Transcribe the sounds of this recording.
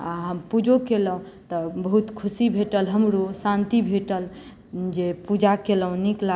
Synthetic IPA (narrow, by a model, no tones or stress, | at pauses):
a̰ɦəmpud͡ʒʱokeləũt̪ɔbəɦut̪kʰusibʱeʈəlɦəmɾosãnt̪ibʱeʈəl | d͡ʒepud͡ʒakeləũnikla